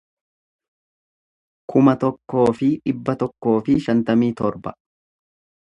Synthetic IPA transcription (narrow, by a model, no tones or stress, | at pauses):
kʰʊmɐt̪ɔkːo̞ːfɪᶑɪbːɐt̪ɔkːo̞ːfɪʃɐnt̪ɐmiːt̪ɔɾbɐ